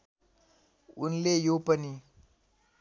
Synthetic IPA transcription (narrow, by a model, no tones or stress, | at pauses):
ṵnlejopəni